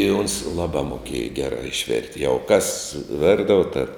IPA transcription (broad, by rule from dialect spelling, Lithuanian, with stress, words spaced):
ɪ oːns ˈlˠɑːbɑː moːˈkʲiɛjɛ ˈɡʲæːrɑː ɪʃʲˈʋʲɛrʲtʲ jɛʊ kɐs ˈʋʲɪrdɐʋoː tɐ